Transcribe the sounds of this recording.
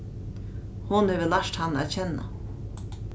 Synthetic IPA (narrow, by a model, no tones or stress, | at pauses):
hʊnheːvəlaʂt̪hanːæ̰ːt̪t͡ɕʰɛnːa̰